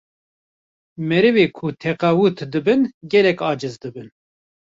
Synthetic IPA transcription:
mɛɾɨveːkʰut̪ʰɛqawut̪ʰd̪ɨbɨnɡɛlɛkɑːd͡ʒɨzd̪ɨbɨn

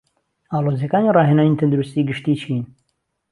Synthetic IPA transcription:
aːloːzjekaːniːrɑːɦeːnaːnit̪ʰɨnd̪uɾust̪iːɡɨʃt̪iːt͡ʃʰin

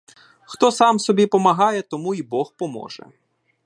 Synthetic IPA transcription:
xt̪ɔsɑmsɔbʲipɔmɐɦɑjɛt̪ɔmuibɔxpɔmɔ̰ʒɛ̰

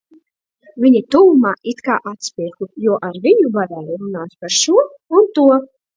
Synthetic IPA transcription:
vʲiɲit̪uwumaːʔit̪kaːʔat̪sʲpʲiɛkujuɔʔaɾvʲiɲubad̪aliɾunaːspaɾʃuɔ | unt̪uɔ

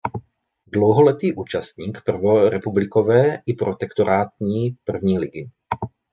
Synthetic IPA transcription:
dlowɦolɛt̪iːʔuːt͡ʃast̪ɲiːkpr̩voɾɛpublɪkovɛːʔɪpɾot̪ɛkt̪oɾʔaːt̪ɲiːpr̩vɲiːlɪɡɪ

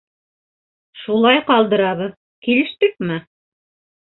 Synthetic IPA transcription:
ʃulˠɑjqɑlˠd̪ɤ̆ɾɑβɤð | kilɘ̆ʃt̪ɘk̚mɘ

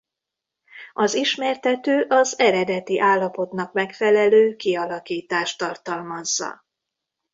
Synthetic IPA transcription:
ɒziʃmɛːrt̪ɛt̪øːʔɒzɛɾɛd̪ɛt̪iʔaːlːɒpo̞t̪nɒkmɛkfɛlɛløːkiɒlɒkiːt̪aːʃt̪ɒrt̪ɒlmɒzːɒ̰

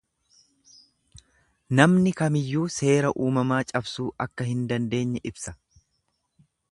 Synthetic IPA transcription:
nɐmnɪkɐmɪjːuːse̞ːɾɐʔuːmɐmaːt͡ʃʼɐbsuːʔɐkːɐhɪnd̪ɐnd̪e̞ːɲːɛʔɪbsɐ̥

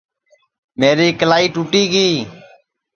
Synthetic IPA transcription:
meːɾiːkəlaːiːʈuːʈiːɡiː

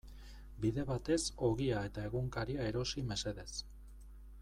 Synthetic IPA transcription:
biðe̞βat̪e̞so̞ɣiae̞t̪ae̞ɣuŋkaɾiae̞ɾo̞sime̞se̞ðe̞s

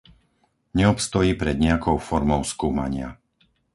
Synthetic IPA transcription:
ɲɛɔpst̪ɔjiːpɾɛd̪ɲɛakɔʊfɔɾmɔʊskuːma̰ɲɪa̰

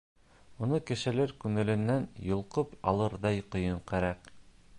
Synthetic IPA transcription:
mŭnɤkɘ̆ʃɘ̆lɘɾkʉŋɘ̆lɘ̆nːænjŏlˠqɤpɑlˠɤɾðɑjqŏjɤɴqæɾæq

